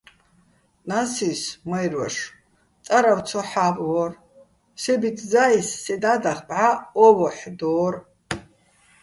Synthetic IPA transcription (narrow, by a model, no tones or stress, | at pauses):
nasismajrwɛ̰ʂ | t͡sʼaɾaw̪t͡sʰɔħabʼwɔr | sɛbit̪ʰd͡zaisːɛd̪ad̪aχpʕaɔwɔħd̪ɔːr